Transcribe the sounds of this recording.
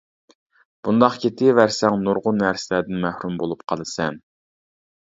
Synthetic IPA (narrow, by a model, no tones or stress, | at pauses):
b̥und̪ɑχkʲʰet̪ʰɪvæɾsɛŋnuɾʁʊnːæɾsɪlæd̪ɪnmæhɾumbolˠupqʰɑlˠɨsɛn